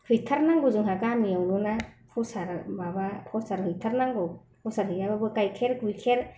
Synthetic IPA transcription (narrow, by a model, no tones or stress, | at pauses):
hɯjtʰaɾnaŋɡɯzɯŋɦakamijawnɔnapʰɔsaɾmabapʰɔsaɾhɯjtʰaɾnaŋɡɯw | pʰɔsaɾhɯjababɯkajkʰeɾɡujkʰeɾ